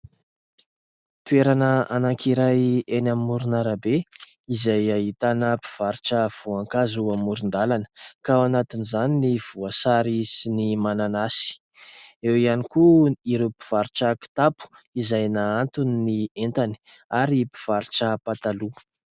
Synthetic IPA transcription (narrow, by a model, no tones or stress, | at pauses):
t̪ueɾanəanaŋkʰiɾajenamːuɾunaɾəbe | izajaɦit̪anəpi̥v̥aɾiʈ͡ʂəv̥oaŋkazuamuɾund̪alanə̥kaanat̪inizaniniv̥uasaɾisinimananasi̥ | ewianikuiɾepi̥v̥aɾʈ͡ʂaki̥t̪apu̥ | izajnaant̪uninient̪ani̥ | aɾipi̥v̥aɾiʈ͡ʂəpat̪alu